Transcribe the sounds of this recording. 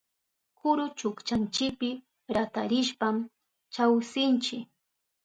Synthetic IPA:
kʊɾʊt͡ʃʊkt͡ʃant͡ʃɪkpɪ | ɾat̪aɾɪʃpam | t͡ʃawsɪnt͡ʃɪk

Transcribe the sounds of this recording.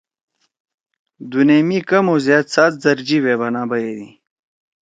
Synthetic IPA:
d̪uneːmikɐmoːzjaːt̪saːt̪̚zɐɾd͡ʑiweːbɐnaːbɐjeːd̪ḭ

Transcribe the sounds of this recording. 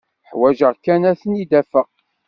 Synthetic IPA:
ħwæʒəʁkːænæθənid̪æfəq

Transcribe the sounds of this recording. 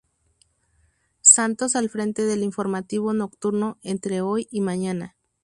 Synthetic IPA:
sant̪os̬alfɾe̞nt̪e̞ðe̞liɱfo̞ɾmat̪iβonokt̪uɾnoent̪ɾe̞ojimaɲana

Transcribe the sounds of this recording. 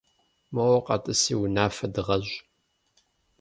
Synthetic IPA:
mɐwɐqɐtʼɨsiːwʊnaːfɐdɨʁɐʑ

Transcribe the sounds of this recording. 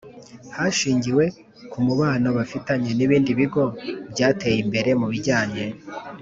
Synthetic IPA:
haʃiːɲɟiwe̞ | kumuβaːnoβafitaɲe̞niβiːndiβiɡo̞bɟaːte̞ːjimbe̞ɾe̞muβiɾɟaːɲe̞

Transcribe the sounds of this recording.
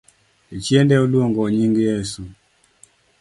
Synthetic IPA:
it͡ʃjɛndɛolwoŋɡɔɲiŋɡijɛsu

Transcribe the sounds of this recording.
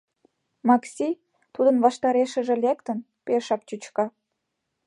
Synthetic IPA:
mɑksʲi | t̪ud̪ə̆nβɑʃt̪ɑɾeʃə̆ʒĕlʲekt̪ə̆n | pʲeʃɑp̚t͡ɕut͡ɕkɑ

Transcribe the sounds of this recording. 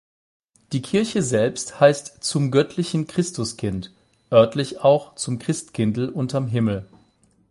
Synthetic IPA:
d̥iːkʰɪɐçəzɛlpsthaɪstt͡sʊmɡœtʰlɪçn̩kʁ̥ɪstʊskʰɪnt | ʔœɐtlɪçaʊxt͡sʊmkʁ̥ɪstkʰɪndl̩ʔʊntamɦɪml̩

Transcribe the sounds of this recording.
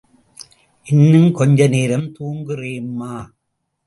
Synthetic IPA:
ʔɪnːɯmkɔɲd͡ʒɐneːɾɐmt̪uːŋɡɯreːmːaː

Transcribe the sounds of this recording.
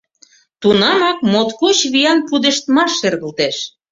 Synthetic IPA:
t̪unɑmɑk̚mot̪kut͡ɕβijɑnpud̪eʃt̪mɑʃːerɣəlt̪eʃ

